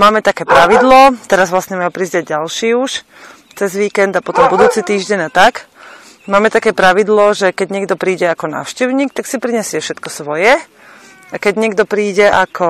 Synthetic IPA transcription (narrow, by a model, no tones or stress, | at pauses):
maːmɛt̪akɛːpɾaʋid̪lɔt̪ɛɾazʋlasɲɛmajupɾizdaɟɟalʃiːuʃ | t͡sɛzʋiːkɛnd̪apɔt̪ɔmbud̪uːt͡sit̪iːʒɟɛɲat̪ak | maːmɛt̪akɛːpɾaʋid̪lɔʒɛkɛɟɲɪɛɡd̪ɔpɾiːɟɛakɔna̰ːʊʃcɛʊɲiːk̚t̪aksipɾiɲɛsɪɛfʃɛt̪kɔsʋɔjɛ | akɛɟɲɪɛɡd̪ɔpɾiːɟɛʔakʰɔ